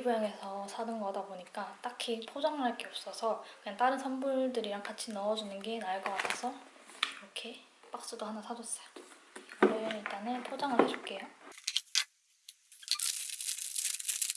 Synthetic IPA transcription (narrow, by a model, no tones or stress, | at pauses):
ibujaŋesʰʌsʰadɯnɡʌdaboɲik͈at͈akʰipʰod͡ʑaŋɯɭɦaɭk͈e̞ʌp̚s͈ʌsʰʌkɯɲaŋt͈aɾɯnsʰʌmbuɭdɯɾiɾaŋkat͡ɕʰinʌʌd͡ʑunɯnɡe̞naɭkʌk͈atʰesʰʌ | iɾʌkʰe̞p͈ak̚s͈udohanasʰad͡ʑos͈ʌjoʌɾeiɭt͈anepʰod͡ʑaŋɯɭhaɕʰup̚k͈e̞jo